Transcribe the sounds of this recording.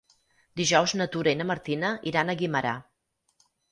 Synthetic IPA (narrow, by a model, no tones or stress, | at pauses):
d̪iʒɔwznət̪uɾenəməɾt̪inəʔiɾanəɣiməɾa̰